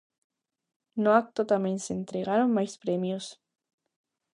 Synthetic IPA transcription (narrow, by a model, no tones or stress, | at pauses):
noak̚t̪ot̪amjenseent̪ɾeɣaɾonmajspɾemjos